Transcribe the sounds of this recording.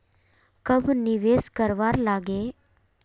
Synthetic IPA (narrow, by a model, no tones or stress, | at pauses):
kəbniʋeskəɾʋaɾlaɡe